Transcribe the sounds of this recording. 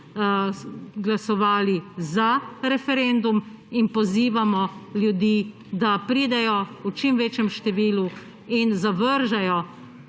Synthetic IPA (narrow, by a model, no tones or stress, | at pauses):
ɡlasɔʋaːlizaɾɛfɛɾend̪um | inpɔziːʋamɔljud̪iː | d̪apɾiːd̪ɛjɔut͡ʃimʋeːt͡ʃjɛmʃt̪ɛʋiːlu | inzaʋəɾʒajɔ